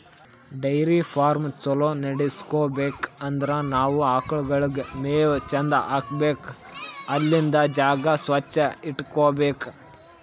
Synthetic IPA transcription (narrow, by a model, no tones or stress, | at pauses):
ɖɐjɾipʰaːɾmt͡ʃɐloːnɐɽiskoːbeːkɐnd̪ɐɾɐnaːʋuaːkɐɭuɡɐɭɡemeːt͡ʃɐnd̪ɐʔaːkbeːkɐlːind̪ɐd͡ʒaːɡɐsʋɐt͡ʃːɐiʈːkoːbeːk